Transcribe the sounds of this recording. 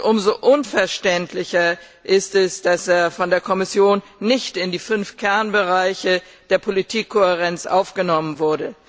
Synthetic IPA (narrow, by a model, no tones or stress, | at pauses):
ʔʊmzoʔʊnfɛɐʃtɛntʰlɪçɐ | ʔɪstɛsd̥aseːɐfɔndeːɐkʰɔmɪsjoːnːɪçtɪndiːfʏnfkʰɛɐnbəʁaɪçə | d̥eːɐpʰolitʰiːkʰːoeʁ̞ɛnt͡sʔa̰ʊfɡ̥ənɔmənvʊɐdə